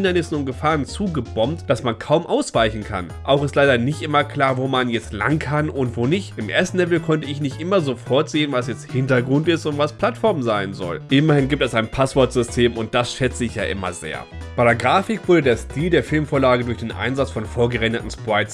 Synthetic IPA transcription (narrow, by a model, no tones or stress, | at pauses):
ɪndɐnɪsn̩ʊnt̚ɡ̥əfaːʁənt͡suːɡəbɔmtd̥asmankʰaʊmʔaʊsv̥aɪçn̩kʰa̰n | ʔaʊxɪstlaɪdɐnɪçtʔɪmɐkʰl̥aːɐvoːmanjɛt͡stla̰ŋkʰanʔʊntv̥oːnɪçtʔɪmʔḛːɐstn̩lɛvl̩kʰɔntəɪçnɪçtʔɪmɐzofɔɐtz̥eːənvasjɛt͡sthɪntɐɡʁʊntɪstʊntv̥aspʰl̥atfɔɐmzaɪnzɔ̰lʔɪmɐhɪnɡiːp̚tɛsaɪnpʰasv̥ɔɐtz̥ʏstʰeːmʊnt̚d̥asʃɛt͡səɪçja̰ːʔɪ̰mɐ̰zḛːɐb̥aɪɾeɐɡʁaːfɪkv̥ʊɐdədeːɐstʰiːldeːɐfɪlmfoːɐlaːɡədʊɐçd̥eːnʔa̰ɪnzat͡sfɔnfoːɐɡəʁɛndətn̩spʁaɪs